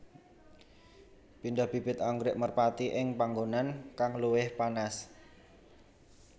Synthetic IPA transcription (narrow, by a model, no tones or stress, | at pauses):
pindahb̥i̤pɪt̪aŋɡɾɪʔmərpat̪iʔɪŋpaŋɡonankaŋluwɪhpanas